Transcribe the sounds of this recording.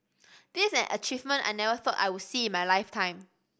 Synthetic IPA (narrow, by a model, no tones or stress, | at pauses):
d̥isɛ̰̃nʔə̰t͡ʃivmə̃nta̰jnɛvəθɔta̰jwɪsiɪ̃nmajlaɪftʰãɪ̃m